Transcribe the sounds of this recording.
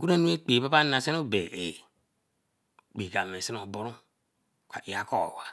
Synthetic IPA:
ɡu˦nã˦nũ˦e˦k͡peː˨pa˦pa˦˨nã˨sɛ˦no˦˨bɛ˨ʔe˨ | k͡pi˨ɡa˨mẽ˨si˦ɔ˨bɔ˦ɾũ˦ | ka˨i˨a˨˦kɔ̰˦˨wa˨

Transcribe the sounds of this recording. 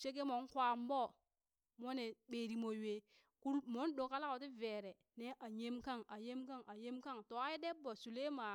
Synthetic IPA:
t͡ʃe˦ke˦mo˨˦kwa˨mbo˦˨ | mo˦ne˨ɓe˨ɾi˨mo˨we˨ | ku˦ɾmo˨˦n˦do˨ka˦la˦ko˨˦ti˦ve˨ɾe˨ | ne˦ʔa˨ɲe˦mka˦˨ŋa˨je˦mka˦ŋa˨je˦mka˦ŋto˨a˦i˦de˦bːo˨su˨le˦ma˨

